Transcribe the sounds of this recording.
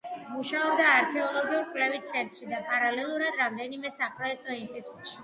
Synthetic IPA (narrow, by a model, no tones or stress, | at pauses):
muʃaɔbd̪aːɾkʰɛɔlˠɔɡiuɾkʼwlɛvit̪̚sʰɛnt̪ʼɾʃid̪apʼaɾalɛlˠuɾad̪ɾamd̪ɛnimɛsapʰʼɾɔɛk̚ʰt̪ʼɔinst̪ʼit̪ʼut̪ʃi̥